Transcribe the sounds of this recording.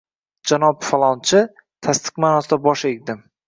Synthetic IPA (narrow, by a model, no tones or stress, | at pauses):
d͡ʒanɒpfalˠɒnt͡ʃʰɪ | t̪ʰast̪ʰɨ̥qmanɒsd̪abɒʃekʲd̪ɪm